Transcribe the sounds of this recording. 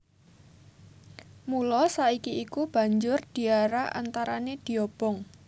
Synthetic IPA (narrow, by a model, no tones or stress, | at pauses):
mulɔsaikiikub̥a̤ɲd͡ʒʊrd̪̥i̤aɾaʔa̰nt̪aɾaned̪̥i̤ɔb̥ɔŋ